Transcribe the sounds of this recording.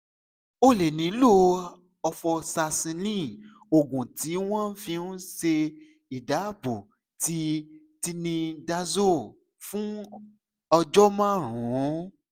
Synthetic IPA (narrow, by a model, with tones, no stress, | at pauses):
o˦le˨nĩ˨˦lo˦ | ɔ˧fɔ˧sa˧sĩ˧nĩ˦ | o˨ɡũ˨ti˨˦w̃ɔ̃˦fĩ˧nũ˦ʃe˧ | i˨da˨˦bo˨ | ti˦ | ti˧nĩ˧da˦˧zo˦˨ | fũ˦ | ɔ˧d͡ʒɔ˦mã˦˨ɾ̃ũ˨˦